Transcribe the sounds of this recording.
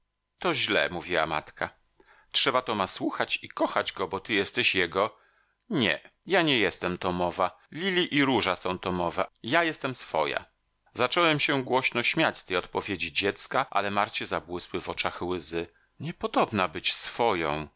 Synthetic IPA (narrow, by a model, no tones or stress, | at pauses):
t̪ɔʑlɛ̰muvʲiwa̰ma̰t̪ka | tʂɛbat̪ɔmaswuxat͡ɕikɔxad͡ʑɡɔbɔt̪ɘjɛst̪ɛɕjɛɡɔ | ɲɛ̰jaɲɛjɛst̪ɛmt̪ɔmɔva | lʲilʲiʔiɾuʐasɔ̃w̃t̪ɔmɔvajajɛst̪ɛmsfɔja̰ | zat͡ʂɔwɛmɕɛɡwɔɕnɔɕmʲjat͡ɕst̪ɛjɔt̪pɔvʲjed͡ʑid͡ʑɛt̪skaʔa̰lɛmaɾt͡ɕɛzabwɘswɘvɔt͡ʂaxwɘzɘ | ɲɛpɔd̪ɔbnabɘt͡ɕsfɔjɔ̰̃w̃